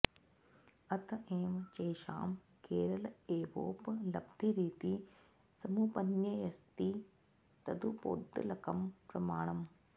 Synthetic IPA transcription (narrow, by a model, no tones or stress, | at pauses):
ɐt̪ɐʔeːmɐt͡ʃeːʃa̰ːm | keːɾɐlɐeːʋo̰ːpɐlɐbd̪ʱiɾiːt̪i | sɐmuːpɐnjɐjɐst̪i | t̪ɐd̪upo̰ːd̪ːɐ̰lɐkɐmpɾɐmaːɳɐm